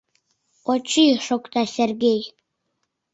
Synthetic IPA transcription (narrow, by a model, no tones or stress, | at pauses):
ot͡ʃʰiʂokʷʼt̪asʲerɡʲej